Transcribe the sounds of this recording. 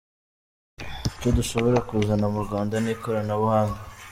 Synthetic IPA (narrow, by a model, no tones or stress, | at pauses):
it͡ʃoduʃo̞βo̞ɾakuzanamuɾɡaːndaniːkoɾanaβuhaːŋɡa